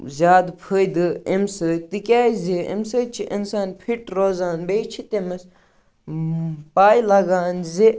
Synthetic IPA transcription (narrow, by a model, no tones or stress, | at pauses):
zʲaːd̪pʰəːjd̪ɨemsət̪ikʲaːjziḛmsəːt͡ʃʰiʔinsaːnpʰiʈɾoːzaːnbejt͡ʃʰit̪emɐs | paːjlɐɡaːnzi